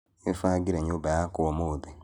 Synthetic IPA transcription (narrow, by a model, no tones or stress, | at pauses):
efaːɡiɾeɲoːbajakoɔmoːðe